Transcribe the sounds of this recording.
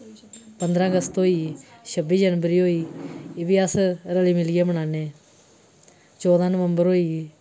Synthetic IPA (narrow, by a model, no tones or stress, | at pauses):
pənd̪ɾãːəɡəst̪ɦoːiːʃəbiːd͡ʒənbəɾiːɦoːiːʋiːəsɾəliːmɪlieːbəɳaːneː | t͡ʃɔːd̪ãːnəʋəmbəɾɦoːiː